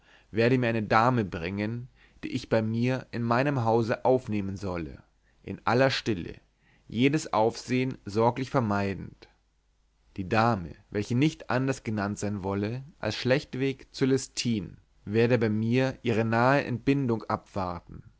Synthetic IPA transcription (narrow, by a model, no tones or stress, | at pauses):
veːɐɾəmiːɐʔaɪnədaːməbʁɪŋən | d̥ḭːʔɪçb̥aɪmiːɐʔɪnmaɪnəmɦaʊzəʔaʊfneːmənzɔlə̰ | ʔɪ̰nʔa̰lɐʃtɪlə̰ | jeːdəsʔa̰ʊfz̥eːənzɔɐklɪçfɛɐmaɪdn̩t | d̥iːdaːmə̰vɛlçənɪçtʔandɐsɡ̥ənantz̥aɪnvɔləʔa̰lsʃlɛçtv̥eːkt͡sulɛstʰiːn | veːɐdəbaɪmiːɐʔiːʁ̞ənaːəʔɛ̰nt̚b̥ɪndʊŋʔapv̥aɐtn̩